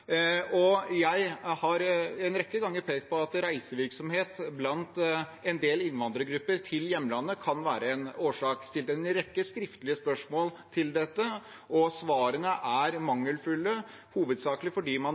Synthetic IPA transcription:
ɔjæɪhɑɾɛnɾɛkːəɡɑŋːəɾpʰeːkt̪̚pʰɔɑt̪ɾæɪsəʋɪɾksɔmheːt̪blɑnt̪ɛnd̪eːlɪnʋɑnd̪ɾəɡɾʉpːəɾt̪ʰɪljɛmːlɑnːəkʰɑnʋæːɾəɛnoːʂɑːkst̪ɪlt̪ɛnɾɛkːəskɾɪft̪əlɪəspœʂmoːl | t̪ʰɪld̪ɛt̪ːə | ʔɔsʋɑːɾənəʔæɾmɑŋːəlfʉlːə | huːʋəd̪sɑːklɪfɔɖiːmɑn

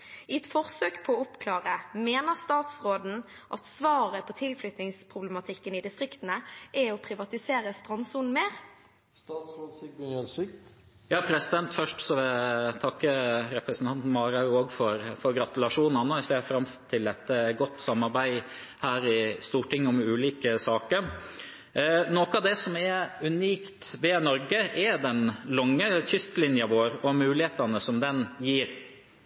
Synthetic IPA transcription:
ɪɛt̪fɔʁsøːkpʰɔːʊpkʰlɑːʁəmeːnəʁst̪ɑːt̪sʁoːd̪n̩ | ʔɑt̪sʋɑːʁəpʰɔt̪ʰɪlflʏt̪nɪŋspʰʁʊblɛmɑt̪ʰɪkːənɪd̪ɪst̪ʁɪkt̪n̩əʔɛɔpʰɾɪʋɑt̪ɪseːɾəst̪ʁɑnsuːnmeːʁ | st̪ɑːt̪sɾoːd̪sɪk̚bɛnɛlsʋɪ | jɑːpʰɾɛsɪd̪ɛnt̪fœʂʈsɔʋɛt̪ʰɑkːəɾɛpɾɛsn̩t̪ʰɑnt̪n̩mɑːɾɑoːɡfɔɾfɔɾɡɾɑt̪ʉlɑʂuːn̩ɑnoɛseːɾfɾɑmt̪ʰɪlɛt̪ːəɡɔt̪ːsɑmːɑɾbæɪ | hæːɾɪst̪uːʈɪŋːɔmʉːliːkəsɑːkəɾ | nokəɑʋd̪ɛsɔmɛʉniːkt̪ʋɛnɔɾɡəʔɛd̪ɛnlɔŋːəçʏst̪lɪnjɑʋoːɾɔmʉːlɪheːt̪ɑnəsɔmd̪ɛnjiːɾ

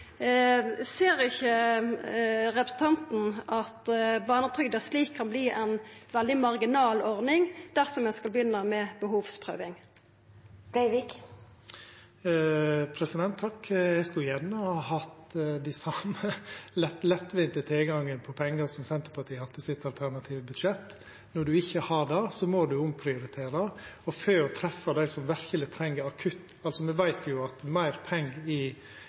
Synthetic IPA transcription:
seːɾɪçə | ʁɛpɾəsn̩t̪ʰɑnt̪n̩ʔɑt̪bɑːʁnət̪ʰʁʏɡd̪əsliːkʰːɑnbliːʔɛnʋɛld̪ɪmɑʁɡɪnɑːlɔʁnɪŋd̪̥æʁsɔmjæskɑlbəjʏnːəmɛbəɦuːʋspʰʁø̰ːʋɪŋ | d̪̥ɛɪʋɪk | pʰɾɛsɪd̪ɛnt̪ʰːɑkjɛɪskʉljɛnːəhɑhɑt̪d̪æɪsɑməlɛt̪lɛt̪ːʋɪnt̪ət̪ʰɪlɡɑŋːənpʰɔpʰɛŋːəɾsɔmsɛnt̪əɾpʰɑt̪ʰiːhɑt̪ʰːəsɪt̪ːɑlt̪ʰæɾnɑt̪ʰiːʋəbʉd̪ʃɛt̪ː | nɔɖʉɪçːəhɑd̪ɛsɔmod̪ʉʊmpʰɾɪʊɾɪt̪ʰeːɾɑɔføːɾɔt̪ʰɾɛfːɑd̪æɪsɔmʋæɾçəlɪt̪ʰɾɛŋːəɾɑkʰʉt̪ː | ɑlsɔmɛʋæɪt̪ʰjʊɑt̪mæɪɾpʰɛŋɡɪ

